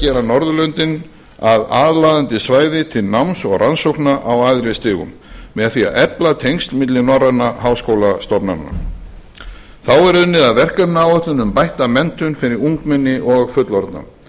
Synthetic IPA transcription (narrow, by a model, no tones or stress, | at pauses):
cɛːɾanɔɾðʏlœnt̪ɪn | aðaːðlaːðant̪ɪsvaːjðɪt̪ʰɪlnawmsɔɣransowhknaʔawaðɾɪst̪ɪːɣʏ̰mːɛðaθia̰ɛplat̪ʰejŋst̪lmɪt̪lɪnɔrːat̪nahawskoːwlast̪ɔpnanːa̰ | θawɛɾʏnːɪðaðvɛr̥kaɾnawœht̪ʏnʏmpajht̪amɛnt̪ʏnfɪɾɪɾuŋkmɛnːɪʔɔɣfʏt̪lɔɾt̪na̰